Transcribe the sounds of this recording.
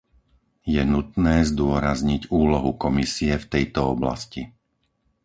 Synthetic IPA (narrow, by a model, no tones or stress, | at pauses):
jɛnut̪nɛːzd̪ʊɔɾazɲiɟuːlɔɦukɔmisiɛft̪ɛjt̪ɔɔbla̰sci